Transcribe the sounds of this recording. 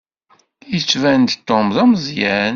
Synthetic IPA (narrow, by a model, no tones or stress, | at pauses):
jət͡sːvænd̪t̪ːomðæmzˤjæn